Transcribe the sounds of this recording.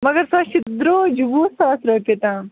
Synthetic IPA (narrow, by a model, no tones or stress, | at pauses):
mɐɡɐɾsaːt͡ʃid̪ɾoːd͡ʒubuːsaːsɾopet̪ã